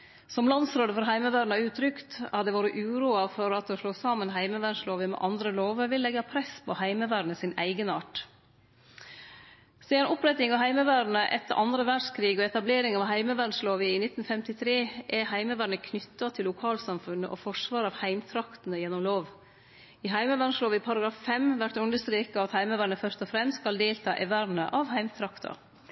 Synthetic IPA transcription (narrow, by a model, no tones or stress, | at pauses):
sɔmlɑnsɾoːd̪əfɔɾɦæɪməʋæːɾɳ̩əɑʉːt̪ʰɾʏkt̪ɑt̪d̪ɛːʋuːɾəʔʉːɾuːɑfɔɾɑt̪oːʂloːsɑːmənɦæɪməʋæɳʂloːʋəmɛ̰ʔɑnd̪ɾəloːʋəʋɪlːɛɡɑpʰɾɛspʰɔhæɪməʋæːɾɳəsɪnæ̰ɪɡənɑːʈ | siːənʔɔpɾɛt̪ɪŋɑʋɦæɪməʋæːɾɳəʔɛt̪ːə̰ʔɑnd̪ɾəʋæɖʂkʰɾiːɡɔɛt̪ɑbleːɾɪŋɑːʋhæɪməʋæɳʂloːʋəɪnɪt̪n̩fɛmt̪ɪt̪ʰɾeːʔɛhæɪməʋæːɳəkʰnʏt̪ːɑt̪ʰɪlːʊkʰɑːlsɑmfʉnːə̰ʔɔfɔʂʋɑːɾɑʋhæɪmt̪ʰɾɑkt̪nəjɛnːʊmloːʋ | ɪɦæɪməʋæɳʂloːʋɪpʰɑɾɑɡɾɑːffɛmʋæʈːʉnd̪əʂt̪ɾiːkɑɑt̪hæɪməʋæːɳəfœɾt̪ɔfɾɛmst̪skɑld̪eːlt̪ʰɑ̰ːʔɛʋæɾnə̰ʔɑʋhæɪmt̪ʰɾɑkt̪ʰɑ̰